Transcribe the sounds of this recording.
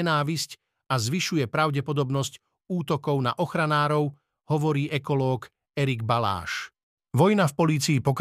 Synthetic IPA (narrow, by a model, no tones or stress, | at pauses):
ɛnaːʋisc | azʋiʃujɛpɾaʊɟɛpɔd̪ɔbnɔsc | uːt̪ɔkɔʊna̰ʔɔxɾanaːɾɔʊ | hɔʋɔɾiːʔɛkɔlɔːk | ɛɾiɡbala̰ːʃ | ʋɔjnafpɔliːt͡siːpɔk